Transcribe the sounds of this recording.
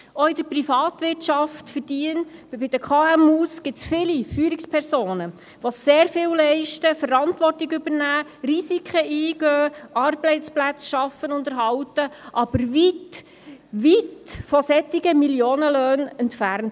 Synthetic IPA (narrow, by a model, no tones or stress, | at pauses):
oɪdəɾprifɑːt̪ʋɪrtʃɑftfəɾd̥iənbɪd̥əkʰɑæmuːsɡ̥ɪt͡sfɪlifyːɾikspʰɛɾsoːnə | ʋoseːɾfɪːwlɛɪʃtəfəɾɑntʋɔrtiɡʏbənæːɾisikʰχəʔiːɡ̥øːʔɑɾblɛɪsplæt͡sʃɑfːənʊndəɾɦɑwtəʔɑb̥əɾʋit | ʋitfɔsɛt̪ːiɡəmiljoːnəløːnɛntfærnt